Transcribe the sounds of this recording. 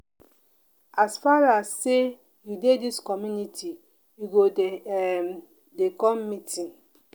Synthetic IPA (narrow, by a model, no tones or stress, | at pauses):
asfaɹasːe | judediskɔmjuniti | juɡo | dekɔ̃mːitĩn